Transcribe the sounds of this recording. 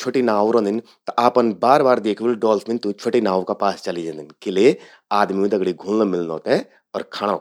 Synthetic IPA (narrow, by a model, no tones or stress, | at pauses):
t͡ʃʰoʈinaːʋoɾɐ̃nd̪ɪn | t̪ɐʔaːpənbaːɾbaːɾd̪eːkʰʋelɖɔːlsmɪ̃nt̪ũt͡ʃʰoʈinaːʋõkapaːst͡ʃɐlid͡ʒãːnd̪ɪnkelie | aːd̪mimẽd̪ɐɡɽiɡʱũlləmɪlnoːt̪ɛ̃ | ɔːɾkʰaːɽa